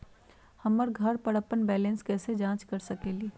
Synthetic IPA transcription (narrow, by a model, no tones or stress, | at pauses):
hɐmːəɾɡʱɐɾpɐɽəpːənbɛːlẽːnskɛːsed͡ʒãːt͡ʃkɐɾsɐkeːliː